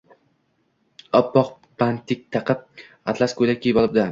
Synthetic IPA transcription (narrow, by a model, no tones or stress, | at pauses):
ɒpːɒq | bant̪ʰɪk̚ʲt̪ʰɑqʰɨp̚ | at̪ʰlaskʰojlakʲʰːebɒlˠɪb̚d̪a